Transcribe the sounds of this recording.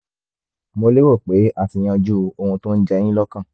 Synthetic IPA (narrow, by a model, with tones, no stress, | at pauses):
mo˧le˦wo˦˨k͡pe˨˦ʔa˦˨ti˧j̃ã˧d͡ʒu˦˧o˧hũ˧tõ˦n̩˦d͡ʒɛ˧j̃ĩ˦lɔ˦kã˦˨